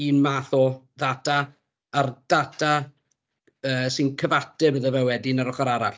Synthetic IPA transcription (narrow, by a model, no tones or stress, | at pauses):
iːnmaːθɔ | ðatʰaː | rd̥atʰa | əːsɪnkʰəvatɨbəðəvɛwɛdinaɾɔχaɾaɾaɬ